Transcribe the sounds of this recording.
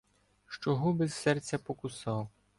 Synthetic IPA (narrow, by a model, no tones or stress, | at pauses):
ʃt͡ʃɔɦubɛzsɛrt͡sʲːɐpɔkʊsɑw